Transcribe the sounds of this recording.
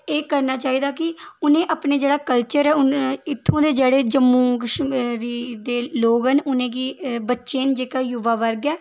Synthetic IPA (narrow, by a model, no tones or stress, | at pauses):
eːkəɾnaːt͡ʃaːiːd̪aːkɪʊnẽːʔaːpneːd͡ʒeːɽaːkəlt͡ʃəɾɛːʊnɪt̪ʰːõːd̪eːd͡ʒeːɽeːd͡ʒəmːũːkʃɾiːd̪eːloːɡɦənʊnẽːkiːbətːʃeːnd͡ʒeːkaːjʊʋaːʋəɾɡɛː